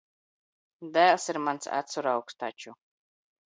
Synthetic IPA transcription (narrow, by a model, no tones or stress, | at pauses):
d̪æːlˠsiɾmansa̰t̪suɾawkst̪at͡ʃu